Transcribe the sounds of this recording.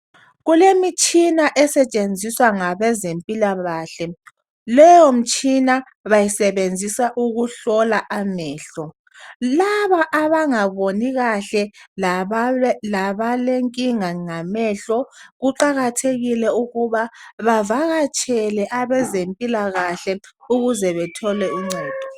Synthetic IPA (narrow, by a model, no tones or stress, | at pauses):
ɣulemit͡ʃʼinaʔɛsɛt͡ʃʼend͡zʱiswaŋaβɛzempʼilaβaːɬɛ | lɛjɔm̩t͡ʃʼina | βajisɛβend͡zʱisaʔuɣuɬɔlaʔamɛːɬɔ | laβaʔaβaŋaβoniɣaɬɛ | laβaleŋkʼiŋaŋamɛːɬɔɣuǃaɣatʰeɣilɛuɣuβaβavaɣat͡ʃʼɛlɛʔaβɛzempʼilaɣaɬɛuɣuzɛβɛtʰɔlɛiŋ͡ǀaːd̥ʱɔ̥